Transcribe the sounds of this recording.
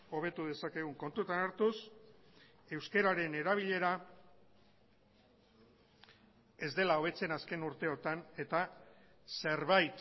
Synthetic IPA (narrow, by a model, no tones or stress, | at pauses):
o̞β̞e̞t̪uðe̞sake̞ɣ̞uŋko̞nt̪ut̪anaɾt̪us | e̞wske̞ɾaɾe̞ne̞ɾaβ̞iʎe̞ɾa | e̞zd̪e̞lao̞β̞e̞t͡se̞naske̞nuɾt̪e̞o̞t̪ane̞t̪ase̞ɾβajt̪